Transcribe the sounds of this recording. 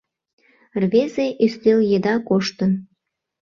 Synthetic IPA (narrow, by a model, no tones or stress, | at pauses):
rβezeʔysleljed̪ɑkoʃt̪ən